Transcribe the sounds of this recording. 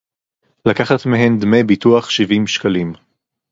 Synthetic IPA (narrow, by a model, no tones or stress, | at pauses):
lakaχat̪miɦend̪mebituaχʃivimʃkalim